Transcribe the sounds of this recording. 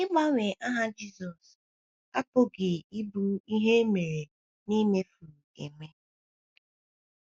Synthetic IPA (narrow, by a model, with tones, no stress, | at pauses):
ɪ˦ma˦ŋʷe˨ʔa˦ɦa˦d͡ʒi˦˨zɔ˨s | a˦pʊ˦ɡɪ˨ɪ˦bu˦i˦ɦe˦me˨ɾe˨ | ni˦me˦fu˨ḛ˨me˦